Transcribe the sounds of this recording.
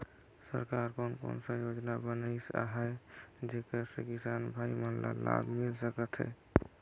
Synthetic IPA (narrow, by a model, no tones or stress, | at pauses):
sə̰ɾkaɾkonko̰nsə̃jod͡ʒnabənəsa̰ɦəjd͡ʒekəsḛkisanbʱaimənla̰la̰bʱmilsəkət̪ɦə̰